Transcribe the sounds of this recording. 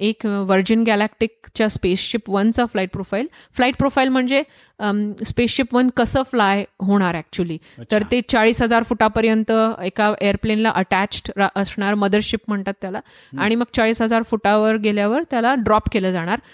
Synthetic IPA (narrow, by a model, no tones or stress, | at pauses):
ekʋəɾd͡ʑənɡælækʈik̚t͡ɕjaspesɕipʋənt͡saflaiʈ̚pɾofailflaiʈ̚pɾofailm̤əɳd͡ze | spesɕipʋənkəsəːflajɦoɽ̃aɾæk̚t͡ɕuəliːt̪əɾt̪et͡saɭiːsɦəd͡zaɾfuʈapəɾjənt̪əekaʔejəɾplenlaʔəʈæt͡ɕʈʔəsɳaɾməd̪əɾɕipm̤əɳt̪at̪ːjala | aɽ̃iməɡ̚t͡saɭiːsɦəd͡zaɾfuʈaʋəɾɡeljaʋəɾt̪jalaɖɾɔpkeləːd͡zaɽ̃aɾ